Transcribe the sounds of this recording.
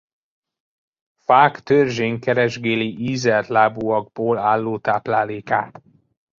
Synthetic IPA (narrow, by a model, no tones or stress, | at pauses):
faːkt̪ørʒeːŋkɛɾɛʒɡeːliʔiːzɛrt̪laːbuɒɡ̚boːlaːlːoːt̪aːplaːleːkaːt̪